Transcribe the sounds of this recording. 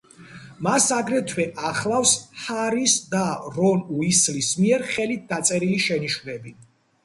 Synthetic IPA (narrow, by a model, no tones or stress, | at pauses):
masaɡɾɛt̪ʰwɛʔaχlˠafshaɾisd̪aɾɔnuislismiɛɾχɛlit̪̚d̪at̪sʼɛɾiliʃɛniʃwnɛbi